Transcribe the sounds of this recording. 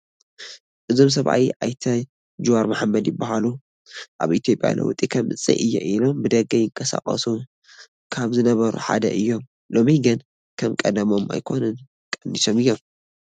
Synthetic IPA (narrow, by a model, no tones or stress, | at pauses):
ʔɨzo̞ms̬ɐβʔa̰wiʔa̰jt̪ʰɐ | d͡ʒuwaɾmaħmːɐd̪jɪbːahalu | ʔa̰βʔit̪ʰjo̞pʼja̰lɐ̰wt̪ʼikʰɐmɨt͡sʼːḭʔɨjːɛ̰ʔilo̞mbɨd̪ɐɡɐjɪŋkʰɐsa̰χʼɐ̰su | kʰaβzɨnɐβɐɾṵħa̰d̪ɐ̰ʔɨjːo̞m | lo̞miɡɨn | kʰɐmkʼɐd̪ɐmo̞ma̰jkʰo̞nɨn | kʼɐndisomɨjːo̞m